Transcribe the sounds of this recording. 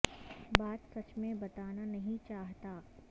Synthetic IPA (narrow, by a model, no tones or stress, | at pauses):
baːt̪sɐt͡ʃmẽbɐt̪aːnanɐɦĩt͡ʃaːɦt̪aː